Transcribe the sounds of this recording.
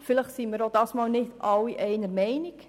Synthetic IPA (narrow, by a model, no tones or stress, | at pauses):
fɪləχtsimiɾodɑːsmɑːlnɪtɑwːiʔɛɪnəɾmɛɪnik